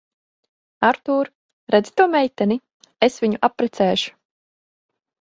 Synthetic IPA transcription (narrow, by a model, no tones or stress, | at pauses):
aɾt̪uːɾ | ɾɛd̪zi̥t̪uɔmɛjt̪ɛni | esviɲuʔapːɾɛt̪sɛːʃu̥